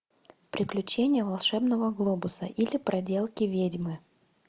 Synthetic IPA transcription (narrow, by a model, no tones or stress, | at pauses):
pɾʲɪklʲʉt͡ɕenʲɪjəvɐlˠʂɛbnəvəɡlˠobʊsə̰ʔilʲɪpɾɐdʲe̞lˠkʲɪvʲedʲmɨ